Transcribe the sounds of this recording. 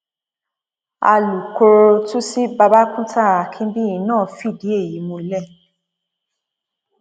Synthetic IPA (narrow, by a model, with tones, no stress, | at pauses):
a̰˧lu˨ko˧ɾo˧tũ˦si˦ba˧ba˦kũ˦ta˦˨a˨kʰĩ˦bi˦˨ĩ˨˧˦nãː˦˨˦fi˦˨di˨˦e˦˨ji˨˦mõ˧i˦lɛ˦˨